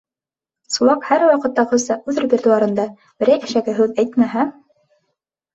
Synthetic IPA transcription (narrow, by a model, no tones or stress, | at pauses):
sulˠɑkhæɾwɑqɤ̆t̪ːɑʁɤ̆sɑʔʉðɾbʲeɾd̪ŭɑɾɤ̆nd̪ɑ | b̥ɘ̆ɾæjɘ̥̆ʃæɡɘɦʉðæjt̪mæɦæ